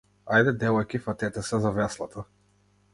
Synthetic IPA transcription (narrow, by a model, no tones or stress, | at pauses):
ajd̪ɛd̪ɛlˠɔkʲifat̪ɛt̪ɛsɛzavɛslˠat̪ʰa